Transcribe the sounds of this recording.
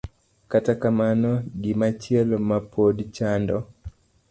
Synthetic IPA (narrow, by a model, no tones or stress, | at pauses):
katakamanɔɡɪmat͡ʃjɛlmapʰodt͡ʃandɔ